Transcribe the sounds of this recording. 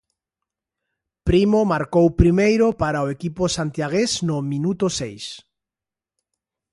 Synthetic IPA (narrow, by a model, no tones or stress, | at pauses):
pɾimomaɾkowpɾimejɾopaɾaoekiposant̪jaɣesnʊmĩnut̪osejs